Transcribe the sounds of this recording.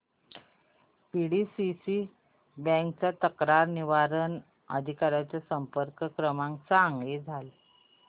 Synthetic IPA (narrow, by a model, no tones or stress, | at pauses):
piɽisisi | bɛ̃ŋk̚t͡sat̪əkɾaɾniʋaɾən | ə̰d̪ʱikaɾjat͡sasəmpəɾkəkɾəmãŋkt͡saŋɡed͡zʱal